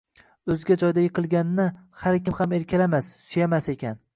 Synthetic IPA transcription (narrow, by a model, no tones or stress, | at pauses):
ɵzɡʲad͡ʒɒjd̪ajɨqʰɨlˠɡʲanɪnɪhaɾkʲɪmhame̞ɾkʲʰalamasːsʊjamase̞kʲan